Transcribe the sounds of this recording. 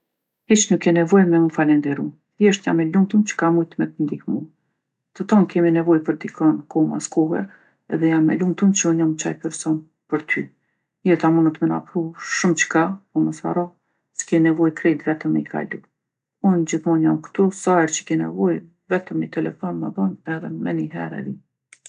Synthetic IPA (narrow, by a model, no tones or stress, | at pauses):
hit͡ʃnukjɛnɛvɔjmɛunfalɛnd̪ɛɾum | jɛʃt̪jamːɛlumt̪umt͡ɕə̥kamujt̪mɛt̪ənd̪ihmu | t̪ət̪ɔnkɛminɛvɔjpəɾd̪ikʰɔnkɔma̰skɔɦɛ̰ | ɛðɛjamːɛ̰lumt̪umt͡ɕəunjamt͡ɕa̰jpɛɾsɔn | pəɾt̪ʰy̰ | jɛt̪amunət̪mɛna̰pɾuʃumt͡ʃə̥kapɔməsa̰ɾɔ | sə̥kɛinɛvɔjkɾɛd̪vɛt̪əmɛikʰa̰lu | und͡ʑiθmɔnjamkt̪usaɛɾt͡ɕə̥kɛnɛ̰vɔj | vɛt̪əmːit̪ɛlɛfɔnməðɔnɛðɛmɛniɦɛ̰ɾɛ̰vi